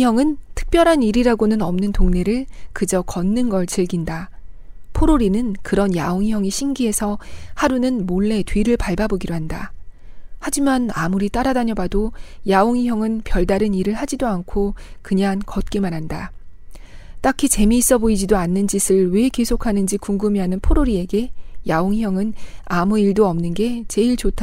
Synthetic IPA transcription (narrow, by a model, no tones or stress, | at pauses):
jʌŋɯntʰɯ̥k̚p͈jʌɾɦaniɾiɾaɡonɯnʌmnɯntoŋne̞ɾɯɭkɯd͡ʑʌkʌnːɯnɡʌɭt͡ɕiɭɡinda | pʰoɾoɾinɯnkɯɾʌnjaoŋiɦjʌŋiɕʰiŋɡiɦe̞sʰʌhaɾunɯnmoɭːe̞tɥiɾɯɭpaɭbaboɡidoɦanda̰ | had͡ʑimanamuɾit͈aɾadaɲʌbadojaoŋijʌŋɯnpjʌɭdaɾɯniɾɯɭhad͡ʑidoankʰokɯɲaŋkʌt̚k͈e̞manɦanda | t͈akʰit͡ɕe̞miːs͈ʌboid͡ʑidoanːɯnd͡ʑisʰɯɭwe̞ke̞sʰokʰanɯnd͡ʑikuŋɡumiɦanɯnpʰoɾoɾie̞ɡe̞jaoŋjʌŋɯnamuiɭdoʌmnɯnɡe̞t͡ɕe̞iɭt͡ɕotʰa